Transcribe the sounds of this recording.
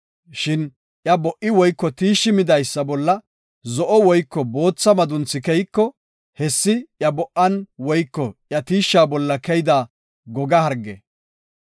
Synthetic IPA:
ʃɪn | ʔjɐbɔʔːɪwɔjkːɔt̪iːʃːɪmɪd̪ɐjsːɐbɔlːɐ | zɔʔɔwɔjkːɔbo̞ːt͡sːɐmɐd̪ʊnt͡sːɪkɛjkːɔ | hɛsːɪʔjɐbɔʔːɐnwɔjkːɔʔjɐt̪iːʃːaːbɔlːɐkɛjd̪aː | ɡɔɡɐhɐɾɡːɛ̰

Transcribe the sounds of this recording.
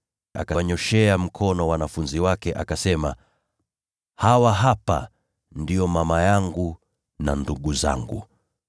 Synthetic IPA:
a̰kaɲɔʃɛam̩kʰɔnɔwanafunziwakɛʔakasɛma | hawaɦapa̰ | ndijɔmamajaŋɡu | na̰nduɠuza̰ŋɡṵ

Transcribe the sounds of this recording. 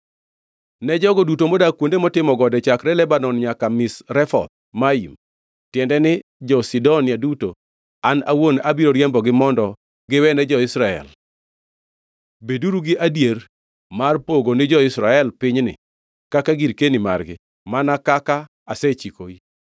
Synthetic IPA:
nɛd͡ʒɔɡɔdutomɔdakwondemɔtɪmɔɡɔdɛt͡ʃakɾɛlɛbanɔnɲakamɪsɾɛfɔ̰t̪̚maim | tjɛndɛnɪd͡ʒɔsidɔnɪjaduto | anawonabiɾoɾjɛmbɔɡɪmɔndɔ | ɡɪwɛnɛd͡ʒɔɪsɾaɛ̰l | beduɾuɡɪʔadjer | marpoɡonɪd͡ʒɔɪsɾaɛlpɪɲnɪ̰ | kakaɡiɾkenima̰rɡɪ̰ | manakaka | asɛt͡ʃiko̰i

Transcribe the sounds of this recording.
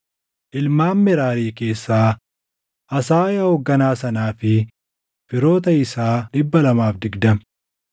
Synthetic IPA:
ʔɪlmaːmːɛɾaːɾiːke̞ːsːaː | ʔɐsaːjɐhɔɡːɐnaːsɐnaːfɪ | fɪɾo̞ːt̪̬ɐɪsaːlɪbːɐlɐmaːfd̪ɪɡd̪ɐm

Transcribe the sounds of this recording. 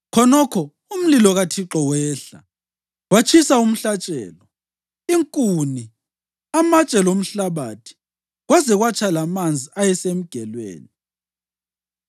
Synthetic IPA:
kʰɔnɔkʰɔ | um̩lilɔɣatʰiǁɔwɛːɬa̰ | wat͡ʃʰisaum̩ɬat͡ʃʼɛ̰ːlɔ | iŋkʼuni | amat͡ʃʼɛlom̩ɬaβatʰi̥ | ɣwazɛɣwat͡ʃʰʼalamand͡zʱiajɛsem̩ɡ̥ʱɛlwḛːni

